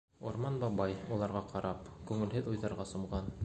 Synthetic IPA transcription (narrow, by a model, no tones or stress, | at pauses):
oɾmɑnbɑbɑjulˠɑɾʁɑqɑɾɑpkʉŋɘ̆lɦɘðujðɑɾʁɑsŏmʁɑn